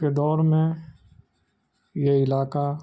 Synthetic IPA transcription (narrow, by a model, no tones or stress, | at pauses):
ked̪ɔːɾmẽ | jeɪlaːka